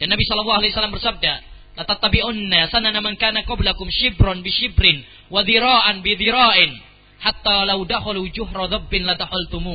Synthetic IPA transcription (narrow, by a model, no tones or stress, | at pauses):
d̥anːabisɔlɔlːɑːalajsalːambərsab̚da | lat̪at̪ːabiʔʊnːasananamankaːnaqɑblakʊmʃɪbɾɔnbɪʃɪbɾɪn | waðiɾaːʔanbɪðiɾaːʔɪn | ħat̪ːalawdaxalud͡ʒʊɦɾɑðɔbːɪnlad̪ahalt̪umu